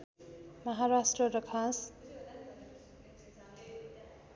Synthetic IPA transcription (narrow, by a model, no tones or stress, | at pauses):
mʌɦaɾasʈrʌɾʌkʰas